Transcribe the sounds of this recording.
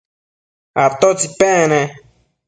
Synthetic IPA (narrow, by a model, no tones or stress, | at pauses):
aɾt̪ot͡sipɛ̃nẽ